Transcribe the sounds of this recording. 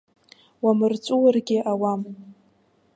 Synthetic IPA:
wamɨrt͡sʷʼuwarɡʲɪʔawam

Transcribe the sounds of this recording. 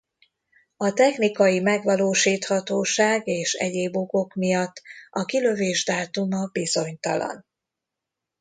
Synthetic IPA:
ɒt̪ɛxnikɒjimɛɡʋɒloːʃiːt̪hɒt̪oːʃaːɡeːʃɛ̰ɟeːboɡo̞kmijɒt̪ːɒkilø̞veːʒd̪aːt̪umɒbizo̞ɲt̪ɒ̰lɒ̰n

